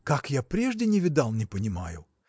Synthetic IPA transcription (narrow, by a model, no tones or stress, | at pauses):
kakjapɾʲɛʐdʲɪnʲɪvʲɪd̪alˠnʲɪpənʲɪma̰jʊ̰